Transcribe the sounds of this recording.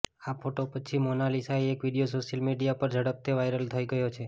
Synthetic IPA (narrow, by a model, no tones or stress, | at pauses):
apʰoʈopət͡ʃʰimonalisaeekʋiɽijosoʃjəlmiɖijapəɾd͡ʒəɽəp̚t̪eʋajɾəlt̪ʰəjɡəjot͡ʃʰe